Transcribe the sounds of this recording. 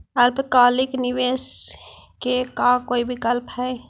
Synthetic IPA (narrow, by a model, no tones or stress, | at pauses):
ɐlpkaːlɪknɪʋeːs | kekakoːibʱikəlpɦɛː